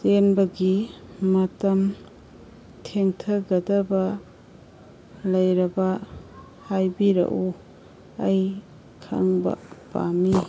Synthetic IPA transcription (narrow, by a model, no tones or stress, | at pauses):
tenbɐɡimɐtɐm | tʰeŋtʰɐɡɐdɐbɐ | lɐjɾɐbɐ | hajbiɾɐ̰ʔu | ɐj | kʰɐ̰ŋbɐ̰ba̰mi